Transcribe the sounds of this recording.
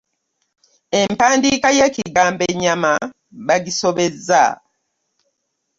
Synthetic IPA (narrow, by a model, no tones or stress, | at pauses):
e̞mpaːndiːkajeːciɡaːmbeɲːama | βaɟiso̞βe̞zːa̰